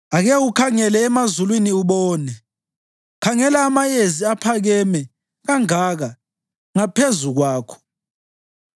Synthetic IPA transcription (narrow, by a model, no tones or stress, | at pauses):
aɣɛukʰaŋɛlɛːmazulwiniuβɔːnɛ | kʰaŋɛlaːmajeziapʰaɣɛmɛ | ɣaŋaɣa | ŋapʰezuɣwaːkʰɔ̥